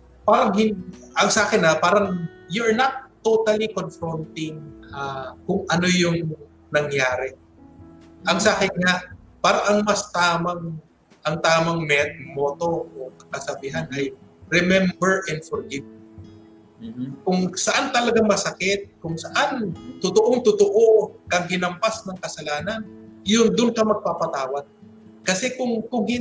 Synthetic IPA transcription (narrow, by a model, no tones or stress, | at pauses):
paːɾɐŋhɪnʔɐŋsaːkɪnːɐpaːɾɐŋjɛɹnɐt̪ːot̪ɐlikonfɾont̪ɪŋakʊŋʔɐno̞jʊŋ | nɐŋjaːɾɛ | ʔɐŋsaːkɪnŋa | paːɾɐʔɐŋmɐst̪aːmɐŋ | ʔɐŋt̪aːmɐŋmɛt̪̚mo̞ːt̪o̞ʔokɐkɐsɐbiːɦanʔɐjɾɛmɛmbɛɹʔɛnd̪foɾɡɪv̚ | kʊŋsɐʔant̪ɐlɐɡamɐsɐkɛt̪̚kʊŋsɐʔant̪ʊt̪oʔoŋt̪ʊt̪oʔokɐŋhɪnɐmpasnɐŋkɐsɐlaːnɐnjʊnd̪ʊnkɐmɐɡ̚papɐt̪aːwɐɡ̚ | kɐsɛkʊŋkʊɡɪ